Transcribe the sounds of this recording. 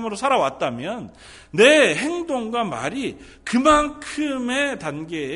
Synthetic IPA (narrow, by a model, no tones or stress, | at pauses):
mɯɾosʰaɾawat̚t͈amjʌnː | e̞ɦe̞ŋdoŋɡwama̰ɾi | kɯmankʰɯme̞tanɡe̞